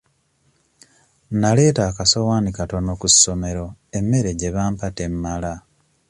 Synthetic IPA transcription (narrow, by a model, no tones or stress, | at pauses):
nale̞ːtaːkasowaːnikato̞nokusːo̞me̞ɾo̞e̞mːe̞ɾe̞ɟe̞βaːmpate̞mːala